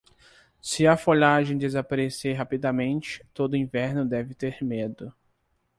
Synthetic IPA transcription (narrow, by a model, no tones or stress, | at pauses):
sɪɐfoʎaʒẽj̃d̪ezapaɾeseɦapid̪amẽnt͡ʃɪ̥t̪od̪ʊĩvɛɾnʊd̪ɛvɪt̪eɾmed̪ʊ